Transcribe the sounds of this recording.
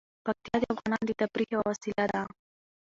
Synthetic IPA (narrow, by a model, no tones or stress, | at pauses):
pak̚t̪ijɑd̪əafɣɑnɑnd̪ət̪apɾixawwasɪlad̪a